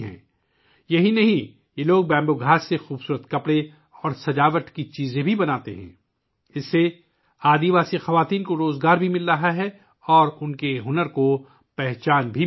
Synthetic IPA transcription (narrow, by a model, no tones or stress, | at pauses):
ɦɛ̰̃ː | jɐɦinɐɦĩ | jeloːɡ̚bɛ̃ːmboɡʱaːsːexuːbsuːɾət̪kɐpɽe | ɔːɾsɐd͡ʒaːʋəʈkit͡ʃiːzẽbʱibɐnaːt̪ḛɦɛ̰̃ː | ɪsːe | aːd̪iʋaːsixɐʋaːt̪iːnkoɾoːzɡaːɾbʱimɪlːaɦaɦɛ | ɔːɾʊnkeɦʊnəɾko | pɛɦt͡ʃaːnbʱi